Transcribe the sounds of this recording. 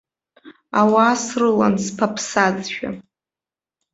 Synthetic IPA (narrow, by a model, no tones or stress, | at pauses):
awaːsrɨla̰nspʰapʰsad͡zʃᶣa̰